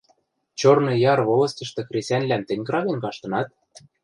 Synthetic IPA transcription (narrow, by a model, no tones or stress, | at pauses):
t͡ɕornɤ̆jɑrβolɤ̆st̪ʲɤ̆ʃt̪ɤ̆krʲesʲænʲlæmt̪ɘ̆nʲɡrɑβʲĕnʲkɑʃt̪ɤ̆nɑt̪̚